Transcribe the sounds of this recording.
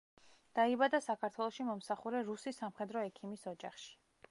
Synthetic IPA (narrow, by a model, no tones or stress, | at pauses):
d̪̥aibad̪asakʰaɾt̪ʰwɛlˠɔʃimɔmsaχuɾɛɾusisamχɛd̪ɾɔɛkʰimisɔd͡ʒa̰χʃi̥